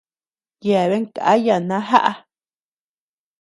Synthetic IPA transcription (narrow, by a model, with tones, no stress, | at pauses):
ja˨βe˦ka˨a˦ja˨nã˦ɦa̰˦ʔa˧